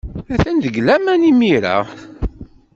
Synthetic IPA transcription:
æθænd̪əɡlæmænimiɾa̰

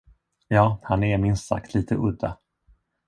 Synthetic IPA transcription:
jɑːhanɛɾmɪnssa̰kt̪ʰliːt̪ʰəʔɵd̪ːa̰

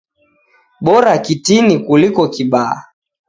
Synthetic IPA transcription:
ɓɔɾakitinikulikɔkiɓaa̰

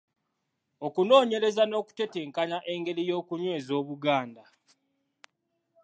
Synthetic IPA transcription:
o̞kuno̞ːɲe̞ɾe̞zano̞ːku̥tete̞ːŋkaɲaʔe̞ŋɡe̞ɾijo̞ːkuɲwe̞ːzo̞ːβuɡaːnda

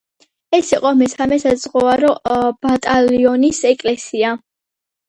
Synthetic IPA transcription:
ɛsiqʼɔmɛsamɛsazʼʁɔvaɾɔb̥at̪ʼaliɔnisɛkʼlɛsia

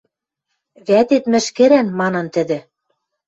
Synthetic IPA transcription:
βæt̪et̪mɘ̆ʃkɘ̆ɾænmɑnɤ̆nt̪ɘ̆d̪ɘ̆

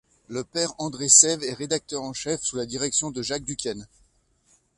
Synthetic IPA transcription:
ləpɛʁɑ̃d̪ʁesɛvɛʁed̪ak̚t̪œʁɑ̃ʃɛfsulad̪iʁɛksjɔ̃d̪əʒak̚d̪ykʲɛn

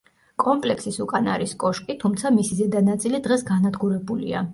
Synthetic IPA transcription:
kʼɔmpʼlɛkʰsisukʼanaɾiskʼɔʃkʼit̪ʰumt̪sʰamisizɛd̪anat̪sʼilid̪ʁɛsɡanad̪ɡuɾɛbulḭa̰

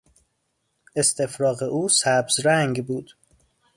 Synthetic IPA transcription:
e̞st̪ʰe̞fɾɒːɣeʔuːsæbzɾæŋɡbuːd̪̥

